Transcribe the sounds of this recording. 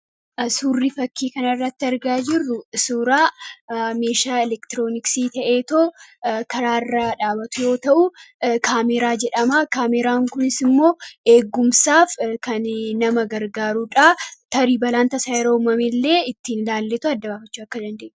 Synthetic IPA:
suːrːiːfɐkːiːkɐnɐɪrːɐt̪ːɪɐɾɡaːd͡ʒɪrːʊsuːɾaː | me̞ːʃaːɛlɛkt̪ɪɾo̞ːnɪksiːt̪ɐʔe̞ːt̪oːkɐɾaːɪrːaːᶑaːbɐt̪ʊjo̞ːt̪ɐʔʊkʰaːmɛɾaːd͡ʒɛᶑɐmaːkaːmɛɾaːŋkʊnɪsɪmːo̞ːʔeːɡʊmsaːfkɐnnɐmɐɡɐɾɡaːɾuᶑaːt̪ɐɾiːbɐlaːnt̪ɐsaːjɾɐmɐmɪlːe̞ːɪt̪ːiːnɪlaːlːɛt̪ʊɐd̪ːɐbaːfɐt͡ʃːuːɐkːɐd̪ɐnd̪eːʔn

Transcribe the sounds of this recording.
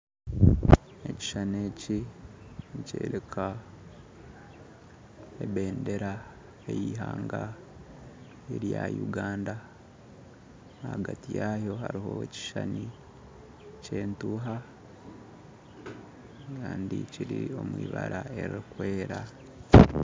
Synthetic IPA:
eci̥ʃane̞ci | ncḛːɾekʰa | ebe̞ːnde̞ɾa | e̞jiɦaːŋɡa | eɾjajuɡaːnda | haɡatijaːjo̞ɦaɾiɦo̞ci̥ʃani | ce̞ːntuɦa | kaːndiciɾio̞mwiːβaɾae̞ɾikwe̞ːɾa

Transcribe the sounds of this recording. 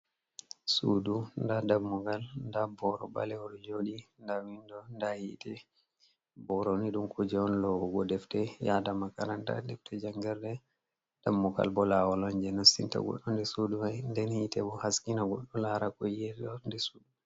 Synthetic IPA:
sudundadabːuɡalndabɔɾɔ̰ba̰lɛɔɗɔd͡ʒoɗindawindɔndahḭtʰɛ | bɔɾɔniɗumkʰud͡ʒɛwɔnlɔwɔɡɔdɛftɛjadamaka̰ɾanda̰dɛf̚tʰɛd͡ʒaŋɡɛɾdɛ | d̥amːuɡa̰lbɔlawaland͡ʒɛnɔsinta̰ɡɔ̰ɗːɔndɛsuduwajndɛnhitɛbɔhaskinaɡɔɗːɔlaɾakɔjɛɔndɛsudu

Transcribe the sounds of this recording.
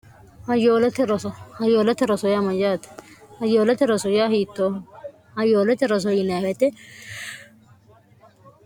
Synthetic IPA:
hɐjoːlɐt̪ɪɾɔsɔhɐjoːlɐt̪ɪɾɔsɔjamɐd͡ʒaːt̪hɐjoːlɛt̪ɪɾɔsɔjaːɦiːt̪ːoː | hɐjoːlɛt̪ɪɾɔs̬ɔjɪnaːhɛt̪ɛ

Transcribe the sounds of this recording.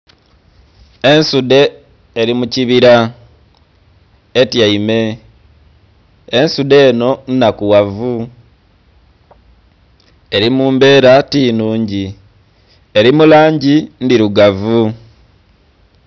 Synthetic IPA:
e̞nsude̞ː | ɾimuciβiɾa | etjaime̞ | nsude̞ːno̞n̩nakuwavu | e̞ɾimuːmbe̞ːɾatiːnuːɲɟi | eɾimulaːɲɟindiɾuɡavu

